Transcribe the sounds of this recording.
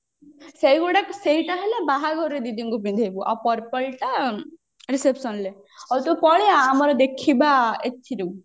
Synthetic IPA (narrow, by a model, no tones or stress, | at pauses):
seiɡuɽakseɦiʈaɦelabaɦaɡʱɔɾːed̪id̪iŋɡubind̪ʱebuʔa̰pɔɾpɔɭʈa | ɾisepsɔnle | ɔwt̪ɔpɔɭjaːmɔɾɔd̪ekʰibaet̪ʰːiɾu